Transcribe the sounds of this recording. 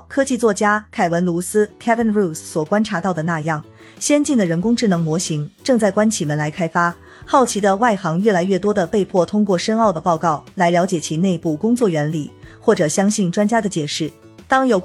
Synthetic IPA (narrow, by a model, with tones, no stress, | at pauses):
kʰɤ˥t͡ɕi˥˧t͡swɔ˥˩t͡ɕja˥kʰa˨˩ɪwə˧˥nlu˧˥sɹ̩˥kʰɛ˥fə˥nɻu˥˩sswɔ˨˩kwa˥nʈ͡ʂʰa˧˥t̪ɑ˥˩ʊd̪ə˩na˥˧jɑ˥˩ŋ | ɕjɛ˥nt͡ɕi˥˩nd̪ə˩ɻə˧˥nkʊ˥ŋʈ͡ʂɻ̩˥˩nɤ˧˥ŋmwɔ˧˥ɕi˧˥ŋʈ͡ʂɤ˥˧ŋt͡sa˥˩ɪkwa˥nt͡ɕʰi˨˩mə˧˦nla˧˥ɪkʰa˥ɪfa˥ | xɑ˥˩ʊt͡ɕʰi˧˥d̪ə˧wa˥˩ɪxɑ˧˥ŋɥɛ˥˩la˧˥ɪɥɛ˥˩t̪wɔ˥d̪ə˨pe˥˧ɪpʰwɔ˥˩t̪ʰʊ˥ŋkwɔ˥˩ʂə˥nɑ˥˩ʊd̪ə˩pɑ˥˧ʊkɑ˥˩ʊla˧˥ɪljɑ˧˥ʊt͡ɕjɛ˨˩t͡ɕʰi˧˥ne˥˧ɪpu˥˩kʊ˥ŋt͡swɔ˥˩ɥɛ˧˥nli˨˩xwɔ˥˩ʈ͡ʂɤ˨˩ɕjɑ˥ŋɕi˥˩nʈ͡ʂwa˥nt͡ɕja˥d̪ə˨t͡ɕjɛ˨˩ʂɻ̩˥˩ | t̪ɑ˥ŋjo˨˩ʊ